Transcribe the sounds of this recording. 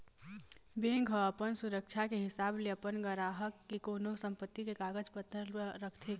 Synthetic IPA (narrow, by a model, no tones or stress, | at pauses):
beŋɡʱəəpənsuɾək̚t͡ʃʰakeɦɪsaːbleəpənɡəɾaːɦəkːikoːnosə̃mpət̪ːikekaːɡəd͡ʒpət̪ːəɾəkʰt̪ʰe